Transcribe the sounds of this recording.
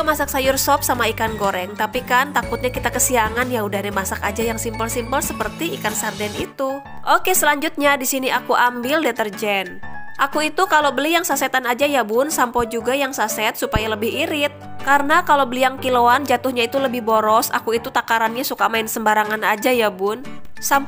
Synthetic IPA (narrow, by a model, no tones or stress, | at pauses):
masak̚sajursɔp̚samaikanɡoɾɛŋt̪apikant̪akʊt̪̚ɲakit̪akəsiaŋanjaudahɲamasakad͡ʒajaŋsimpəlsimpəlsəpərt̪iikansardɛnit̪u | ʔokesəlaɲd͡ʒʊt̪̚ɲadisiniʔakuʔambɪldɛt̪ərd͡ʒɛnʔakuit̪ukalobəlijaŋsasɛt̪anad͡ʒajabʊnsampɔd͡ʒuɡajaŋsasɛt̪̚supajaləbɪhiɾɪt̪̚kaɾənakalobəliaŋkiloand͡ʒat̪uhɲait̪uləbɪhboɾɔsa̰kuit̪ut̪akaɾanɲasukamaɪnsəmbaɾaŋanad͡ʒajabʊnsamp